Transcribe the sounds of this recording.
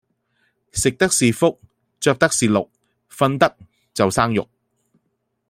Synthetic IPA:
sɪ˨k̚t̪ɐ˥k̚siː˨fʊ˥k̚ | t͡ʃœː˧k̚t̪ɐ˥k̚siː˨lʊ˨k̚ | fɐ˧nt̪ɐ˥k̚ | t͡sɐ˨wsaː˥ŋjʊ̰˨k̚

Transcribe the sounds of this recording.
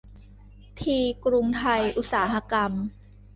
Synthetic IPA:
t̪ʰiː˧kɾu˧ŋt̪ʰa˧jʔu˧˥t̚saː˩˦ɦa˧ka˧m

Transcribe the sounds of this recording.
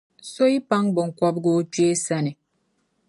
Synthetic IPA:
so˦i˦pa˦ŋbɔ˨ŋ̩˨kwɔ˦p̚ɡo˦t͡ʃwe˦sa˦ni˨

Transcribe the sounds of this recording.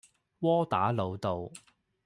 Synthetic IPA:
wɔː˥t̪aː˨˥lo˨˧wt̪o˨w

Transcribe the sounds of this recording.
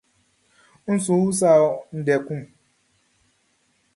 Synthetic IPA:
n̩˦su˨˦wu˦s̬a˦˨ɔ˦n̩˨dɛ˨kʷu˦m˨

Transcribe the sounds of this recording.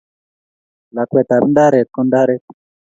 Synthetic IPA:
la˨kwɛ˨t̪a˨bnda˦ɾɛ˨kɔ˦nda˦ɾɛ˦t

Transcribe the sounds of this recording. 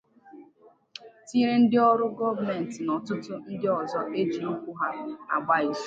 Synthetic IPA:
ti˦ɾe˦n̩˦dɪ˦ɔ˦ɾʊ˦ɡɔ˦va˨me˨n̩˨tɪ˨nɔ˨tʊ˦tʊ˦n̩˦dɪ˦ɔ˨zɔ˦ʔe˦d͡ʒi˨u˦kʷu˦ɦa˦a̰˨ɡ͡ba˦i˨s

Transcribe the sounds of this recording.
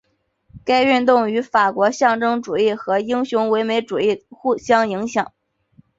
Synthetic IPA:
ka˥ɪy˥˧nt̪̬ʊ˥˩ŋy˧˥fa˨˩kwɔ˧˥ɕjɑ˥˩ŋʈ͡ʂɤ˥ŋʈ͡ʂu˨˩i˥˩xɤ˧˥i˥ŋɕjʊ˧˥ŋwe˧˥ɪme˧˥ɪʈ͡ʂu˨˩i˥˩xu˥˩ɕjɑ˥ŋi˧˥ŋɕjɑ˨˩˦ŋ

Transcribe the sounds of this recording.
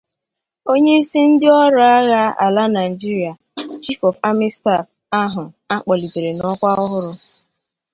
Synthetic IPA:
o˦ɲe˦i˦si˦n̩˦dɪ˦ɔ˦ɾʊ˦a˦ɣa˦a̰˨la˦na˨i˨d͡ʒi˦ɾi˨a˨ | t͡ʃi˦fɔ˨fa˦mi˦sta˦˨f | a˦ɦʊ˨ | a˦k͡pɔ˨li˨te˨ɾe˨nɔ˦kʷa˦ʊ˦ɦʊ˦ɾʊ˦

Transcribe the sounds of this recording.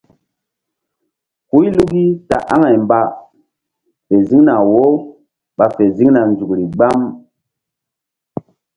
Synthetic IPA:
ku˦jlu˦ki˦ta̰˨ʔa˦ŋa˨jmba˨ | fe˨zi˦ŋna˨wo˦ | ɓa˨fe˨zi˦ŋna˨nd͡ʒu˨kɾi˨ɡ͡ba˦m

